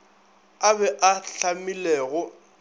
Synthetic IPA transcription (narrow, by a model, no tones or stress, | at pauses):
abɛʔaɬamilɛːɣʊ